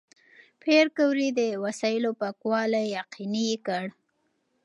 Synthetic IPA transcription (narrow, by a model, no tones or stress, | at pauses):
pʰeɾkəwɾid̪əwasɑjɪlopakwɑlajːaqinikəɽ